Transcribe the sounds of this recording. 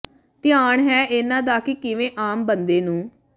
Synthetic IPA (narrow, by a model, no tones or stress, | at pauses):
t̪ɪjaːɳɦɛːɪnãːd̪aːkɪkɪʋẽːʔaːmbənd̪eːnũː